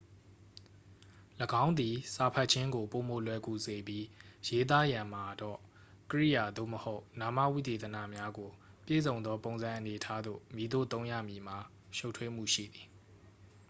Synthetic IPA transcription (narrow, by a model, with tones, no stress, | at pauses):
ləɡã˦ʊ̃nd̪i˨sa˨pʰa˦ʔ̚t͡ɕʰɪ̃˦ŋɡo˨po˨mo˨lwɛ˨ku˨ze˨bji˦je˦t̪̬a˦jã˨m̥a˨dɔ̰˦˨ | kəɹḭ˦˨ja˨d̪o̰˦˨məho˦ʊna˨ma̰˦˨wḭ˦˨t̪e˨t̪əna̰˦˨mja˦ɡo˨pjḛ˦˨zõ˨ʊ̃nd̪ðɔ˦põ˨ʊ̃nzã˨ʔəne˨ʔətʰa˦d̪o̰˦˨mi˨d̪o̰˦˨t̪õ˦ʊ̃ja̰˦˨mji˨ma˨ | ʃo˦tʰwe˦m̥ṵ˦˨ʃḭ˦˨d̪i˨